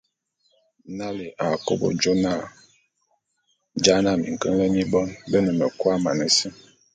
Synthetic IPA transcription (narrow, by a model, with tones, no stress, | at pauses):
na˦li˨ʔa˨ko̰˦bo̰˨d͡ʒo˦na˦˨ | d͡ʒa˦na˦˨mḭ˨ŋ̩˨kə˦ŋ˦lə˦ɲi˦bɔ˦nbə˦nə˨mə˨kwa˦ma˨nə˨si˦